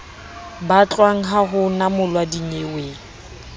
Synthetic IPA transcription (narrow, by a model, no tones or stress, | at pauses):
bat͡ɬʼwaŋ̩ɦaɦʊnamʊlwadiɲewe